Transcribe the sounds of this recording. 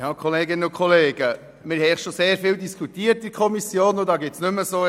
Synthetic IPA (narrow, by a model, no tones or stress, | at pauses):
hɑkʰoleːɡɪnənʊnkʰoleːɡ̥ə | mɪɾhɛɪχʃoseːɾfɪːldiskʰutiːəɾti̥kʰɔmisjoːnodɑːɡɪtsnʏməsoː